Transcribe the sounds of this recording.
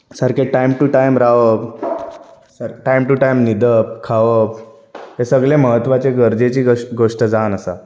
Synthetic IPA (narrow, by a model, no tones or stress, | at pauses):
səɾkeʈajmʈuʈajmɾaʋəp | səɾʈajmʈuʈajmnid̪əp̚kʰaʋəp̚ | t̪esəɡɭẽməɦət̪ʋat͡ɕeɡəɾd͡zet͡ɕiːɡoʂʈəd͡zanəsa̰